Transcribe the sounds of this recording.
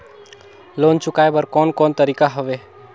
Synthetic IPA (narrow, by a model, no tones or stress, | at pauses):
lont͡ʃʊkaebəɾkɔːnkɔːnt̪əɾikaɦoʋe